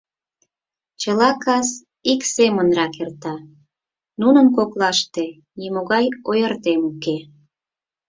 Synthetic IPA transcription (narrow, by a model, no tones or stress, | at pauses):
t͡ɕəlɑkɑs | iksemənrɑkert̪ɑ | nunənkoklɑʃt̪e | nimoɣɑjojərt̪emuke